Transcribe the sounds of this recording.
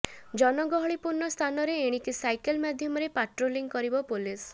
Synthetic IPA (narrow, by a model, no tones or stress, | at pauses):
d͡ʒɔnɔɡɔɦɔɭipuɾnɔst̪ʰanɔɾeeɽ̃ikisajkelmad̪ʱjɔmɔɾepaʈɾoliŋɡkɔɾibɔpulis